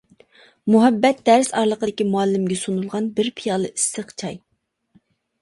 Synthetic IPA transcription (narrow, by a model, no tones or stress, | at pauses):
muɦɛbːɛt̪̚d̪̥ɛɾsɑɾlˠəqəd̪ɪkʲimuɑlːɪmɡʲɛsunulˠʁɑnbɪɾpʰijɑːlˠɨʔisːəqt͡ʃʰɑj